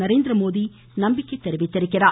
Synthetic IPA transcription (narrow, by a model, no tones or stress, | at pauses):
ɐɾeːnd̪ɾɐmoːði | nɐmbɪkːɐɪt̪ːɛɾɪʋɪt̪ːɐɾɯkːɪɾaː